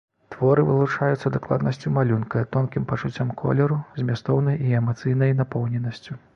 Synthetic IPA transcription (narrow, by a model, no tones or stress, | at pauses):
t̪vɔɾɨvɨlˠut͡ʂajut̪sːɐd̪aklˠa̰d̪nɐsʲt͡sʲumalʲunkɐt̪ɔnkʲimpɐt͡ʂut͡sʲːamkʰɔ̰lʲɛɾuzʲmʲast̪ɔwnɐjiɛmat̪sɨjnɐjnapɔwnʲɛnɐsʲt͡sʲu